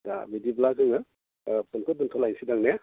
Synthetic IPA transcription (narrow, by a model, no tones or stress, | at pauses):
da̰bidiblazɯŋa | pʰɔnkʰɯduntʰɔlajnsidaŋne